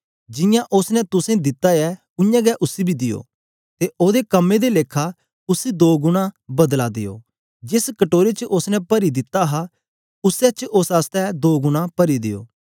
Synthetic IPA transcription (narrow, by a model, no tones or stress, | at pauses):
d͡ʒɪjãʔʊsnɛt̪ʊsẽd̪ɪt̪ːajɛ | ʊ̃jãːɡɛʔʊsibʱid̪ɪjo̰ː | t̪eʔoːd̪ekəmːẽd̪eleːkʰa | ʊsid̪oːɡʊɽ̃ãbɐd̪lad̪ɪ̰jo̰ː | d͡ʒɪskəʈoːɾet͡ʃəʔʊsnɛpɐɾid̪ɪt̪aɦa | ʊsɛt͡ʃʔʊsaːst̪ɛd̪oːɡʊɽ̃ãpɐɾid̪ɪ̰jo̰ː